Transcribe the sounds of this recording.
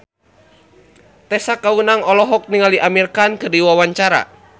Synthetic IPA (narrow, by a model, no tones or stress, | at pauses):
t̪ɛsakaunaŋɔlɔɦɔk̚niŋaliʔamirkankərdiwawaɲt͡ʃaɾa̰